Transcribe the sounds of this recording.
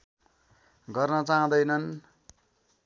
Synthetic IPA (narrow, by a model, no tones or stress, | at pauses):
ɡʌrnʌt͡saɦãd̪ʌjnʌn